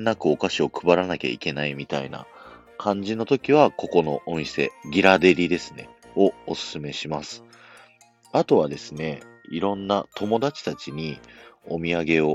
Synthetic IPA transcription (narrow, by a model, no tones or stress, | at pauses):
nːakɯ̟o̞kaɕio̞kɯ̟baɾanakʲa̰ḭke̞naimʲit̪a̰ina̰ | kʰãɲ̟d͡ʑino̞t̪o̞kʲiβ̞ako̞ko̞no̞ʔomʲise̞ɡʲiɾad̪e̞ɾʲid̪e̞sɨ̥ne̞̰ | o̞osɨ̥sɨme̞ɕimasɨ̥ | at̪o̞β̞ad̪e̞sɨne̞iɾõ̞nːat̪ʰo̞mo̞d̪at͡ɕi̥t̪at͡ɕiɲ̟io̞mʲiaɡe̞o̞